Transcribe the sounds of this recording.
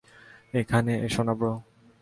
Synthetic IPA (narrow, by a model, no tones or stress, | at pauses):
ekʰaneeʃonabɾo